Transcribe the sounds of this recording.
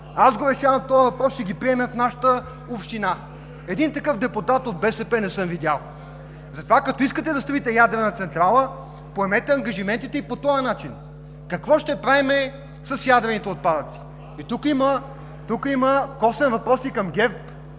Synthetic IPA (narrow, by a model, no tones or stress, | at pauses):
azɡovɛsʲjalˠt̪ɔjəvɐpɾɔsʃt̪ɛɡʲipɾiɛmɛfnaʃə̥t̪ə | opʃt̪ina | ɛd̪int̪ɐkɤfd̪ɛput̪at̪od̪̚bɛsɛpɛnɛsɤmvid̪ʲalˠ | zɐt̪ovakɐt̪ɔiskət̪ɛd̪ɐst̪ɤvit̪ɛjad̪ɾɛnət̪sɛnt̪ɾalˠə | poɛmɛt̪ɛɐŋɡɐʒimɛnt̪it̪ɛipot̪ɔjɐnat͡ʃin | kɐkvɔʃt̪ɛpɾaɛmɛ | sɐsjad̪ɾɛnit̪ɛot̪̚pad̪ət̪si̥ | it̪ukimə | t̪ukəiməkɔsɛnvɐpɾɔsikɐmɡʲɛp